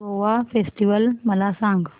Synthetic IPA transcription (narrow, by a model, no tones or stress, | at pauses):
oʋafesʈiʋəlməlasãŋɡ